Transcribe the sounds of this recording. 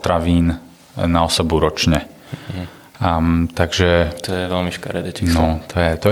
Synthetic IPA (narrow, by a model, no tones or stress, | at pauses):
t̪ɾaʋiːn | naɔsɛbuɾɔt͡ʃɲɛ | t̪aɡʒɛt̪ɔjɛʋɛlmiʃka̰ɾɛd̪ɛnɔt̪ʰɔjɛt̪ɔ